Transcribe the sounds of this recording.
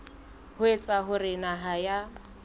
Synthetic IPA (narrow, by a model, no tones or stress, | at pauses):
hʊet͡sʼaɦʊrɪnaɦaja